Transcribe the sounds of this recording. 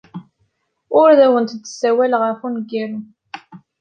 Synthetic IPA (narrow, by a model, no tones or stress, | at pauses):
ʊɾðæwənt̪d̪ə̥sæwælʁəfunɡiɾ